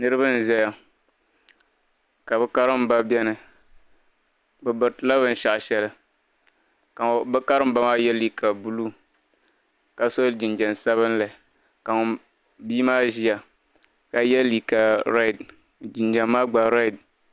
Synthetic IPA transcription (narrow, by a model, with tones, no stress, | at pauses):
nɨ˦ɾɨ˦bɨ˦n̩˨zɛ˦ja˨ | ka˨bɛ˦ka˦ɾɨ˦m˦ba˦bɛ˦nɨ˨ | bɨ˨bɨ˨ɾtla˦βɨ˦n̩˨ʃa˨ʔʃɛ˦lɨ˦ | ka˨bɛ˦ka˦ɾɨ˦m̩˦ba˦maː˦jɛ˦li˦kʰa˨bu˦lu˦ | ka˨so˦d͡ʒɪ˨nd͡ʒɛ˨n˨sa˦βɨ˦n˦la˨ | ka˨ŋʊ˨ | biː˦maː˦ʒi˦ja˨ | ka˨jɛ˦li˨ka˨ɾɛ˦˨d | d͡ʒɪ˨nd͡ʒɛ˨mːaː˦ɡ͡ba˨ɾa˦˨d̚